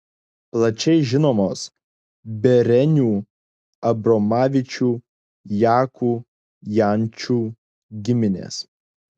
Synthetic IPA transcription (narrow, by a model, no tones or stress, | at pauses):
plˠɐt͡ʃʲɛɪʒʲɪnoːmoːs | bʲɛɾʲɛnʲuː | ɐbɾɔmɑːʋʲɪt͡ʃʲuː | jæːkuː | jænʲˑt͡ʃʲuː | ɡʲɪmʲɪnʲḛːs